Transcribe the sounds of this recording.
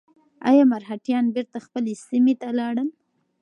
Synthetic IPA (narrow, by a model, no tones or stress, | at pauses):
a̰jɑmaɾɦaʈjɑnbeɾt̪axpəlesimet̪alɑɽəm